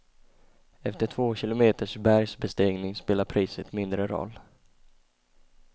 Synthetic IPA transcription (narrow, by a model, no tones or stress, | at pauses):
ɛft̪əʈʰvoːɕɪlʊmeːt̪əʂbæɾjsbɛst̪eːɡnɪŋspeːlaɾpʰɾiːsət̪mɪnd̪ɾəɾɔ̰lː